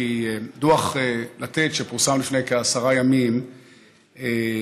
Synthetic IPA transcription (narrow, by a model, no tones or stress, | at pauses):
ieaduaχelat̪etʃepuʁsamlifnejkeasaʁajamim | e